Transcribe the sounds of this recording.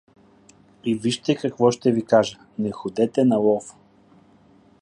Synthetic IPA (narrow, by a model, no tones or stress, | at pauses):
iviʃt̪ɛkɐkvɔʃt̪ɛvikaʒə | nɛxod̪ɛt̪ɛnɐlˠɔf